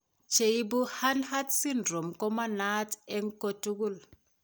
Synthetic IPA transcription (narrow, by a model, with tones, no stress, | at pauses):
t͡ʃe˨i˦bu˦ha˦nha˦tsi˦ndɾo˨mkɔ˦ma˦na˦tɛ˦ŋko˦tu˦ɡu˦˨l